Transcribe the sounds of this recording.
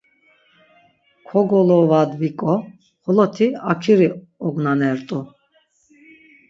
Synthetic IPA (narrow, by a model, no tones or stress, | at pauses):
kʰɔɡɔlɔvad̪vikʼɔ | χɔlɔt̪ʰiakʰiɾi | ɔɡnanɛɾt̪ʼu